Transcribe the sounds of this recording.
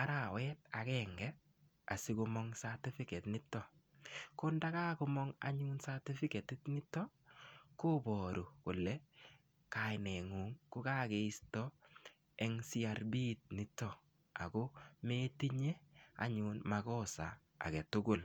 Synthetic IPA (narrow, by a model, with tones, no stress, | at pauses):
a˦ɾa˨wɛ˦t̚a˨kɛŋɡɛ | a˨sɪ˦kʊ˦mɔ˦ŋsati˦fɪ˦kɛ˨tnɪ˦tːɔ˦ | kʊ˦nda˦ka˦kʊ˦mɔ˦ŋa̰˨ɲu˦nsa˦ti˦fɪ˦kɛ˨tɪ˦tnɪ˦tːɔ˦ko˦bɔ˨ɾu˨kʊ˨lɛ˦ | ka˨ɪnɛ˨ŋu˨ŋkʊ˦ka˦ke˨i˦stɔ˦ | ɛ˨ŋsi˦a˨rbi˦˨t̚nɪ˨tːɔ˦ | a̰˨ko˦me˦ti˦ɲe˦a̰˨ɲunmakɔ˦sa̰ː˨ | kɛ˨tʊ˦ɡʊ˦˨l